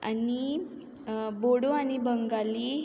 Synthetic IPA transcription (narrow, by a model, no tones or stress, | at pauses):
a̰ni | boɽuanibəŋɡali